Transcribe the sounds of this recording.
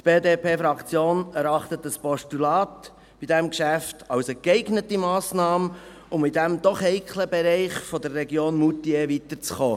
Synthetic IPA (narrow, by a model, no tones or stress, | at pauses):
t̪b̥eːdeːpʰeːfɾɑkt͡sjoːnɛɾɑχt̪ət̪əspɔʃtulɑːt | b̥id̥ɛmkʃæftɑwsəkɛɪɡnətimɑːsnɑːmə | ʊmidæmd̥̪ɔχhɛɪkʰləbɛɾɛɪχfɔd̪ərːɛɡjoːnmutievit̪əɾt͡sχoː